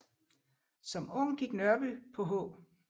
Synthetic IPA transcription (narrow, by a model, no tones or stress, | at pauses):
sɒ̽mɔ̽ŋ̰ɡ̥iɡ̥nɶɐb̥ypʰɒ̽ɦɔ̰̽ː